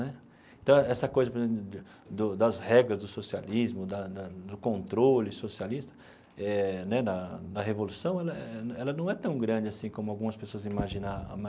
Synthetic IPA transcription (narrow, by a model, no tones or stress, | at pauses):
nɛ | ẽt̪ɐ̃w̃ɛsɐkojzɐpoɾezẽp̪ʊ | d̪ʊd̪ɐzhɛɡɾɐzd̪ʊsosializmʊd̪ɐd̪ɐd̪ʊkõnt̪ɾolɪsosialist̪ɐ̥ | ɛnɛd̪ɐd̪ɐɦevolusɐ̃w̃ɛlɐɛɛɛlɐnɐ̃w̃ɛt̪ɐ̃w̃ɡɾɐ̃d͡ʒɪasĩkõmʊawɡũmɐspesoɐzimaʒĩnaa̰mã